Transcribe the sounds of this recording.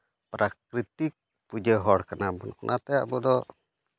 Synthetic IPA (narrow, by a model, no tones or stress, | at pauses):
pɾʔakɾit̪ik̚ | pud͡ʒəɦɔɽkənabunkunʔa̰t̪ɛaʔbud̪ɔ